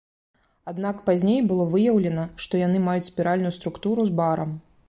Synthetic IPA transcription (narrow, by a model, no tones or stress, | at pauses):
ad̪nakpazʲnʲejbɨlˠɔvɨjɐwlʲɛnɐʂt̪ɔjan̪ɨmajut͡sʲsʲpʲiɾalʲnʊjust̪ɾukt̪uɾuzbaɾɐm